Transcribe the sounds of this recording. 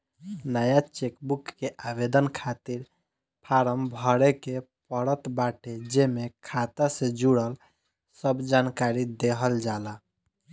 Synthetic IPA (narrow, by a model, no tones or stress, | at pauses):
nəjat͡ʃekbukːeʔabed̪ənkʰat̪iɾ | pʰaɾəmbʱəɽeke | pəɽət̪baʈʰed͡ʒemekʰat̪asẽd͡ʒuɽəl | səbd͡ʒankaɾid̪eɦəld͡ʒala